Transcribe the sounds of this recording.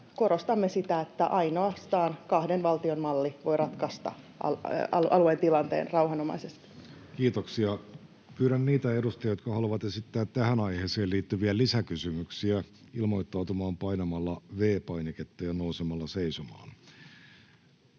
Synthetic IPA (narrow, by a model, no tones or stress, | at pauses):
korost̪ɑmːesit̪æet̪ːæ̰ʔɑinoɑst̪ɑːnkɑhdenʋɑlt̪ionmɑlːiʋo̞irɑt̪kɑst̪ɑ̰ | ɑ̰ɑ̰ʔɑluent̪ilɑnt̪ḛːnrɑuwɦɑnomɑ̰isest̪i̥ | kiːt̪oksiɑ | pyːɾænːiːt̪æedust̪ɑjɑjot̪̚kɑhɑluʋɑt̪esit̪ːæːt̪tːæhænɑjheːseːliːt̪ːyʋiælisækysymyksiæ | ilmo̞jt̪ːɑut̪umɑːmpɑinɑmɑlːɑʋeːpɑineket̪ːɑjɑnousemɑlːɑseisumɑ̰ːn